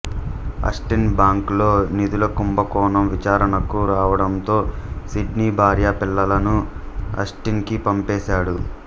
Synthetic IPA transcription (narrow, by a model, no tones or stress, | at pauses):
ɐ̰sʈinbaːŋklo̞ːnid̪ulɐkumbɐkɔːnɐmʋit͡ʃaːɾɐnɐkuɾaːʋɐɽɐnt̪o̞ːsiɖniːbʱaːɾjaːpilːɐlɐnu | ɐ̰sʈinkipɐmpɛːʃaːɽu